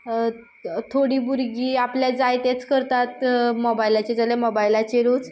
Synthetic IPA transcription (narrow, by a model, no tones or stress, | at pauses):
t̪ʰoɽiːbuɾɡiːapljad͡zajt̪et͡skəɾt̪at̪mobajilat͡ɕed͡zalemɔbailat͡ɕeɾod͡z